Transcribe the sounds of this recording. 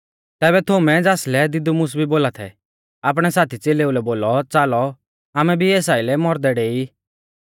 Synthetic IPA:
t̪ɛːβɛt̪ʰʊmɛd͡zaːslɛd̪ɪd̪umʊs̬bʱiboːlat̪ʰɛ̰ | aːp̬ɽ̃ɛsaːt̪ʰit͡seleːulɛboːlɔt͡saːlɔ | aːmɛbʱiɛːsaːilɛmɔɾd̪ɛɽeːi

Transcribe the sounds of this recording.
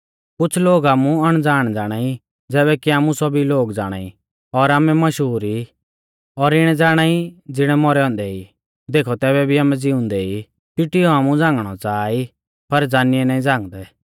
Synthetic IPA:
kʊt͡sʰloːɡaːmũɐɽ̃d͡zaːɽ̃d͡zaːɽ̃aːi | d͡zɛːbɛkiaːmũsɔbiloːɡd͡zaːɽ̃a̰ːi | ɔɾaːmɛmɐʃɦuːɾi | ɔɾɪɽ̃ɛ̃d͡zaːɽ̃aːid͡zɪɽ̃ɛmɔɾɛɔ̃ːnd̪ɛi | d̪eːkʰɔt̪ɛːbɛbʱiaːmɛd͡zɪʊ̃nd̪ɛi | pɪʈiɔaːmũd͡zãːŋɡɽ̃ɔt͡saːi | pɐɾd͡zaːnɪɛnaːĩd͡zãːŋɡd̪ɛ

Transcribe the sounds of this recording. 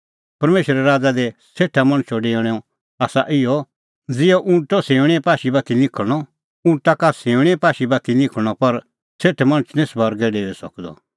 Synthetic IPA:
pɐɾmeːʃəɾɛɾaːd͡zad̪ɛseːʈʰamɐ̃ñt͡ʃʰoɖeɔɽ̃ɛɔ | aːsaʔɪjɔ | d͡zɪɔʔʊ̃ʈɔsẽːʋɽ̃ɛ̃paːʃibat̪ʰinɪ̃kʰəɽ̃ɔ | ʊ̃ɳt̪akasẽːʋɽ̃ɛpaːʃibaːt̪ʰinɪ̃kʰə̃ɔpɐɾ | seːʈʰɛmɐñət͡ʃnĩsbʱɐɾɡɛɖeːɛsɐ̰kd̪ɔ̰

